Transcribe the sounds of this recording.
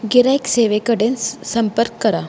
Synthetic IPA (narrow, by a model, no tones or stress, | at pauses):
ɡiɾaikseʋekəɽenssəmpəɾkːəɾa